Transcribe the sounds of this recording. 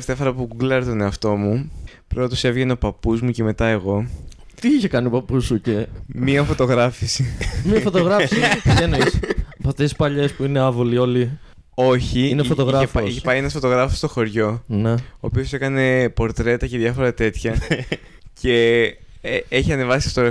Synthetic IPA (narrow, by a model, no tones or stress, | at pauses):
ft̪eɐfɐɾɐpuɡuɡlɐɾt̪one̞ɐft̪o̞mupɾoɐt̪ose̞vʝe̞neo̞pɐpuzmuce̞me̞t̪ɐe̞ɣo̞t̪iiçe̞kɐniopɐpusuce̞miɐfo̞t̪o̞ɣɾɐfisimiɐfot̪oɣɾɐsipiʝenoisɐpɐft̪e̞sispɐʎe̞spuine̞ɐvolio̞li | o̞çiinefot̪oɣɾɐefosiçepɐienɐsfo̞t̪o̞ɣɾɐfost̪o̞xo̞ɾʝo̞ne̞oːpio̞se̞kɐne̞po̞ɾt̪ɾe̞t̪ɐceðjʝɐfo̞ɾɐt̪e̞t̪çɐ | ce̞ | eçiɐne̞vɐsi̥fot̪oɾ